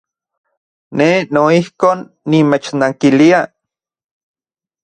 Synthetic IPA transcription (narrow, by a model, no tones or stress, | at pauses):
nenoihkoːnːimet͡ʃnaŋkilia